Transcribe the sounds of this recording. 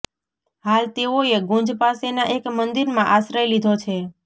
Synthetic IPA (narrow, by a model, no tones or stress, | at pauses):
ɦalt̪eoeɡõɲd͡ʒpasenaʔekmənd̪iɾmãʔasɾəjlid̪ʱot͡ʃʰe